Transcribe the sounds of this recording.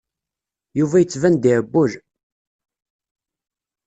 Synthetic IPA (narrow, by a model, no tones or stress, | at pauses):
juvæjət͡sːvænd̪iʕəbːʊʒ